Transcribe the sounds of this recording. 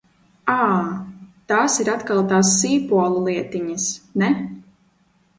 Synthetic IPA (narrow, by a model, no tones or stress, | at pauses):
aː | t̪aːsiɾat̪kalˠt̪aːs̬ːiːpuɔlˠulˠiɛt̪iɲasnɛ